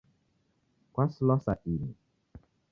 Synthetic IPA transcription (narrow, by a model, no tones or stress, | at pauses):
kʷaslɔsa̰ʔili